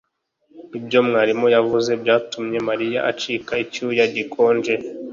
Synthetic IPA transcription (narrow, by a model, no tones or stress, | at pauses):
ibjo̞mŋaːɾimojavuze̞bjaːtumɲe̞maɾijaʔat͡ʃikaicujaɟikʰo̞ːnd͡ʒe